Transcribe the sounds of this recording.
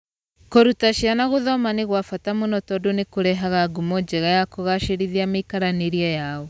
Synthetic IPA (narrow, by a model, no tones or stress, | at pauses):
koɾutaʃjanaɣoðɔmaneɣwafatamonɔtɔdonekoɾɛɦaɣaɡumɔd͡ʒɛɣajakoɣaʃeɾiðiamekaɾaneɾiajaɔ